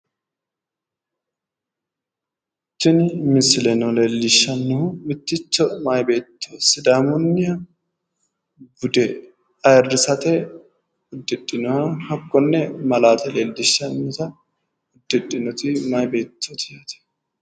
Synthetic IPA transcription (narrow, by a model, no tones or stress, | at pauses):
t͡ʃːɪnɪmɪsɪlɛnɔlelːɪʃːɐnːɔhʊmɪt̪ːɪt͡ʃːɔmajbe̞ːt̪ːesɪd̪aːmʊnːɪjɐ | bʊd̪ɛ | ɐjɐrːɪsɐt̪ɛ | ʊd̪ːɪᶑːɪnɔhɐhɐkːɔnːɛmɐlaːt̪ɛlelːɪʃːɐnːɔt̪ɐ | ʊd̪ːɪᶑɪnɔt̪ɪmajbeːt̪ːɔt̪ɪjɐt̪ɛ̥